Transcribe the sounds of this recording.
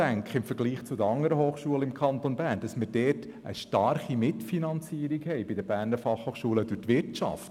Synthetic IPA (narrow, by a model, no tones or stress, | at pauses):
æŋkχəɪmfəɾɡliːχt͡sʊd̪əɑŋːəɾəɦoːχʃuələɪmkʰχɑntonbæːɾnd̥ɑsmɪɾdɛːt | ʔə̰ʃtɑrχimɪtfinɑnt͡siːəɾikhɛɪbɪdəbæːɾnəɾfɑχhoːχʃuːləd̥ʊtʋɪɾtt͡ʃɑ̰ft